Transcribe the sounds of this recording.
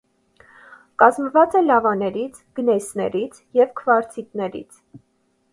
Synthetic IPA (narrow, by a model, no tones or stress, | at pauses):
kɑzməvɑt͡sɛlɑvɑnɛɾit͡sʰɡ̥ənɛsnɛ̰ɾit͡sʰjɛvkʰvɑɾt͡sʰit̪nɛɾḭt͡sʰ